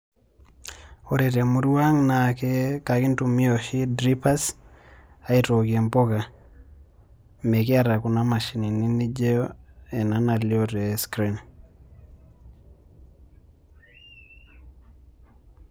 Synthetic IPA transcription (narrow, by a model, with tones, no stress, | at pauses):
oɾe˨te˨mu˦ɾu˦wa˦ŋnakekaki˦ntumioʃidɾipa˦s | a˦itokiembo˦ka˨ | me˨ki˦aɾa˨ku˨na˦ma˨ʃi˨ni˨ni˦ni˦d͡ʒeoe˨nana˨lioɾe˨skɾin